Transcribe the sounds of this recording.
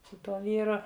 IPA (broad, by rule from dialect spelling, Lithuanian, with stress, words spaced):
sʊ ˈtuɔ ˈʋʲiːrʊ